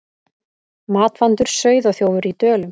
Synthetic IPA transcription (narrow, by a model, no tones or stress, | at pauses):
maːt̪fant̪ʏɾ̥sœːɥðɔɣθjoːwvʏɾit̪œːlʏm